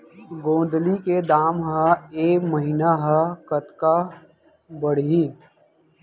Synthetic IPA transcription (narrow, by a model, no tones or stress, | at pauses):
ɡõːnd̪liked̪aːmɦəeːkməɦinaɦɐkət̪ka | bəɽ̤ĩ